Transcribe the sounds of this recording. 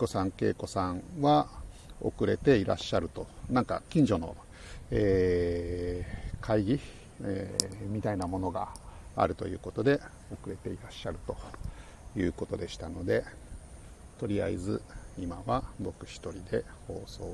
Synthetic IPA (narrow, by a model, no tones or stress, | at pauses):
ko̞sãŋke̞̰ːko̞sãŋβa | o̞̰kɯ̟ɾe̞t̪e̞iɾaɕːaɾɯ̟t̪o̞nãŋka̰kʲĩɲ̟d͡ʑo̞no̞̰ | eː | kʰaiɡʲi | emʲit̪ainamo̞no̞ɡa̰a̰ɾɯ̟t̪o̞̰jɯ̟ːko̞t̪o̞d̪e̞ | o̞kɯ̟ɾe̞t̪e̞iɾaɕːaɾɯ̟t̪o̞ | jɯ̟ːko̞t̪o̞d̪e̞ɕi̥t̪ano̞d̪e̞ | t̪o̞ɾʲia̰ḭzɨimaβabo̞kɯ̟̥ɕi̥t̪o̞ɾʲid̪e̞ho̞ːso̞ː